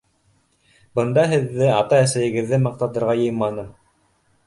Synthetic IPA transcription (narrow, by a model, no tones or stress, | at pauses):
bɤ̆nd̪ɑɦɘ̆ðːɘɑt̪ɑæsæjɘ̆ɡɘ̆ðːɘmɑq̚t̪ɑt̪ɤ̆ɾʁɑjɤ̆jmɑnɤm